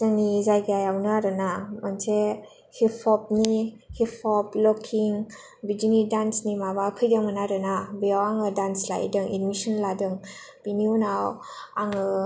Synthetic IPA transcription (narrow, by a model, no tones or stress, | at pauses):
zanizajɡjajawnaɾɯnamanse | hipʰɔp̚nihipʰɔplɔkʰiŋ | bid͡ʒinidansnimabakʰɯjdɯŋmɯnaɾɯnabijawaŋɯdansla̰j̰dɯŋidmisɔnladɯŋ | b̥iniunawaŋɯ